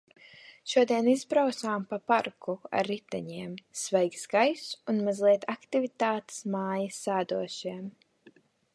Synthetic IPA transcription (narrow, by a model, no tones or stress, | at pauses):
ʃuɔd̪iɛnizbɾawt̪saːmpapaɾkʰua̰ɾːit̪a̰ɲiɛmsvɛjksɡajsunmazlˠiɛt̪ʰakt̪ivit̪aːt̪ɪ̥smaːjisaːd̪uɔʃiɛm